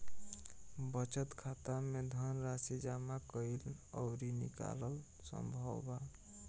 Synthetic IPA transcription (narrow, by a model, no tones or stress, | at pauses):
bət͡ʃət̪kʰat̪amed̪ʱənɾasid͡ʒamakəilə̰ʊɾinḭka̰ləl | sə̰mbʱə̰wba